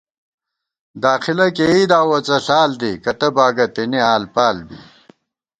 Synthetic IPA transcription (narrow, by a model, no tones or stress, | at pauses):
d̪aːxilɐkeid̪aːwɐt͡sɐɬaːld̪ikɐt̪ɐbaːɡɐt̪iniaːlpaːlbḭ